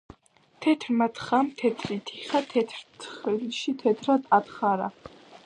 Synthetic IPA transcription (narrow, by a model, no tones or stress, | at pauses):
t̪ʰɛt̪ʰɾmat̪χamt̪ʰɛt̪ʰɾit̪ʰiχat̪ʰɛt̪ʰɾt̪ʰχilʃit̪ʰɛt̪ʰɾad̪at̪χaɾa